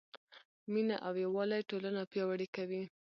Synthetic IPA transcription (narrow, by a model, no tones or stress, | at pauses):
mina̰ʔawjawɑlajʈolanapjɑwaɽikawi